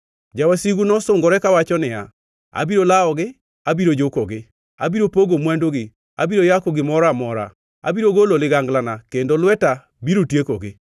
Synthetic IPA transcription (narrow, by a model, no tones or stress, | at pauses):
d͡ʒawasiɡunɔsʊŋɡɔɾɛkawat͡ʃɔnɪa̰ | a̰biɾolaɔɡɪ | abiɾod͡ʒokoɡɪ | a̰biɾopoɡomwandoɡɪ | a̰biɾojakoɡɪmɔɾamɔɾa̰ | a̰biɾoɡololɪɡaŋɡlanakendolwɛta | biɾotjekoɡɪ